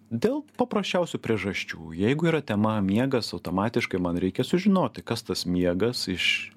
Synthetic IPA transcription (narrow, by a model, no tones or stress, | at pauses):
d̪ʲeːlˠpɐpɾɐsʲt͡ʃʲɛʊsʲʊpʲɾʲiɛʒɐʃʲt͡ʃʲṵːjɛɪɡʊiːɾɐt̪ʲɛmɐmʲiɛɡɐsɐʊt̪oːmɑːt̪ʲɪʃkɐɪmɐnɾʲɛɪkʲɛsʊʒʲɪnoːt̪̚ʲt̪ɐɪkɐst̪ɐsmʲiɛɡɐsɪʃ